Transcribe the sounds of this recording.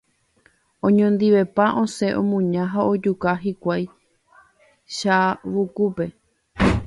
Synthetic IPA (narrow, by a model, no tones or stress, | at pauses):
õɲõnd̪iʋe̞paʔõ̞se̞ʔõmũɲãɦaod͡ʒukaɦikʷaj | ʃaʋukupe̞